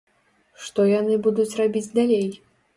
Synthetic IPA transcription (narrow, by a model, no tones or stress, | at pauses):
ʂt̪ɔjanɨbud̪ut͡sʲrabʲid͡zʲd̪alʲej